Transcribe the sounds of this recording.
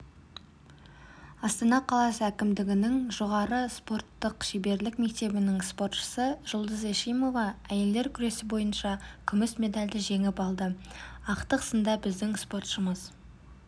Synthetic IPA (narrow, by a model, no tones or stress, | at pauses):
ɑst̪ɑnɑqʰɑlˠɑsəækʲɪmd̪ɪɡʲɪnɪŋʒo̞ʁɑɾəspo̞rt̪ːəqʃebe̞ɾlɪkme̞k̚t̪e̞bɪnɪŋspo̞rt̪ʃə̥səʒ̥ʊlˠd̪əzeʃijmo̞vɑæje̞ld̪e̞ɾkʲʰʏɾe̞sɪbo̞jənʃɑkʲʰʏmɪsmʲe̞d̪ɑlʲd̪ɪʒe̞ŋɪpɑlˠd̪əɑqt̪əqə̥sənd̪ɑbɪzd̪ɪŋspo̞rt̪ʃəməz̥